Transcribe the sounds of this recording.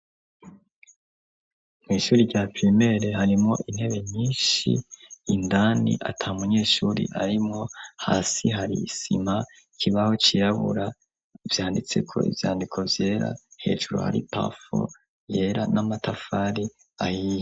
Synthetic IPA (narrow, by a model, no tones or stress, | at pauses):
mŋiːʃuːɾiɾɟapɾime̞ɾeɦaɾimŋo̞̰ʔin̥he̞βe̞ɲiːnʃḭːndanḭʔa̰tʰaumuɲe̞ːʃuːɾḭʔa̰ɾimŋo̞ha̰ːsiɦaɾiːsima | ikʰiβaho̞t͡ʃijaβṵɾa | v̥jaːndit͡se̞̰kʰo̞̰ʔḭvjaːndikʰo̞vje̞ːɾa̰he̞̰ːʒuɾo̰ha̰ɾḭpa̰fo̰ | je̞ɾanamatafaɾi | ajiːje